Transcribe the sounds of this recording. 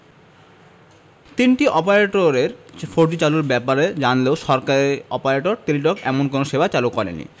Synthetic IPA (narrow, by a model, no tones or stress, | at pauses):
t̪inʈiʔɔpaɾeʈoɾeɾfʰoɾd͡ʑit͡ɕaluɾbɛpaɾed͡ʑanleoʃɔɾkaɾiɔpaɾeʈoɾt̪iɾiʈɔkɛ̰monkonoʃebat͡ɕalukɔɾḛnːḭ